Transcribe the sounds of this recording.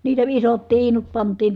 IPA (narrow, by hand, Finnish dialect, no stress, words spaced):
niːtæ isot tiːnut pɑntˑiːn